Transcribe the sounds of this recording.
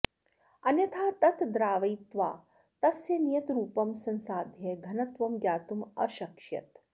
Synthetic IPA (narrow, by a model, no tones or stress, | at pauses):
ɐnjɐt̪ʰaːt̪ɐt̪d̪ɾaːʋɐjt̪ʋaː | t̪ɐsjɐnijɐt̪ɾuːpɐmsɐ̃nsaːd̪ʱjeɡʱɐnɐt̪ʋɐmɡjaːt̪umɐʃɐkʃjɐ̰t̪